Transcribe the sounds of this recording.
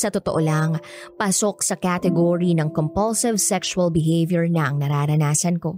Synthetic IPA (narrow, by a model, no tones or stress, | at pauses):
sɐt̪ot̪oʔolaŋpaːsok̚sɐkaːt̪ɛɡoɹinɐŋkompɐlsɪvsɛkʃuɐlbɪɦejvjɛɹnɐʔɐŋnɐɾaːɾɐnaːsɐnko̞